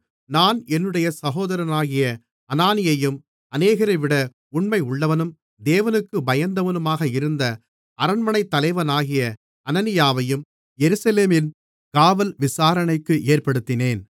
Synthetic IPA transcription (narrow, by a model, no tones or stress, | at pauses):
naːnɛnːɯɽɐjɐsɐɣoːðɐɾɐnaːɣɪjɐ | ɐnaːnɪjɐjɯm | ɐneːɣɐɾɐɪʋɪɽɐ | ʊɳmɐɪʊɭːɐʋɐnɯm | d̪eːʋɐnɯkːɯbɐjɐnd̪ɐʋɐnɯmaːɣɐɪɾɯnd̪ɐ | ɐɾɐɳmɐɳɐɪt̪ːɐlɐɪʋɐnaːɣɪjɐ | ɐnɐnɪjaːʋɐjɯm | jɛɾɯsɐleːmɪn | kaːʋɐlʋɪsaːɾɐɳɐɪkːɯʔeːrpɐɽɯt̪ːɪneːn